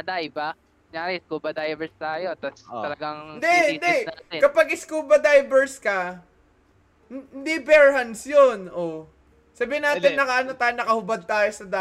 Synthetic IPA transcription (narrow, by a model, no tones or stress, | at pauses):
ʔɐd̪ajɪba | jaːɾɛɪskubɐd̪ajbɛɹst̪aːjot̪ɐst̪ɐlɐɡaŋnd̪ɛhɪnd̪ɛakɐpaɡʔɪskuːbɐd̪ajbɛɹskɐ | hɪnd̪ibɛɹhɐnsjonʔo | sɐbiːhɪnaːɪnːɐkɐʔɐnot̪aːjonɐkɐhʊbɐd̪̚t̪aːjosɐd̪a